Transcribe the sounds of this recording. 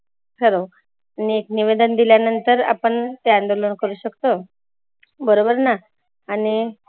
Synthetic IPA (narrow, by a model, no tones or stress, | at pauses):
kʰəɾo | aniekniʋed̪ənd̪iljanənt̪əɾa̰pəɳt̪eand̪olənkəɾuːɕəkt̪o | bəɾobəɾnaː | ñi